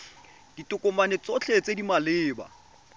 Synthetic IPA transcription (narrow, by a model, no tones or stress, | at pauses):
d̥itʼʊkʼʊmanɛt͡sot͡ɬʰet͡sʼedimalɪːba̰